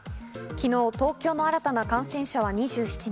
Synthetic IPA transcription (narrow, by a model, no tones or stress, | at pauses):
kʲino̞ːt̪o̞ːkʲo̞ːno̞aɾat̪anakãɰ̃sẽ̞ɰ̃ɕaβ̞aɲ̟iʑɨːɕi̥t͡ɕi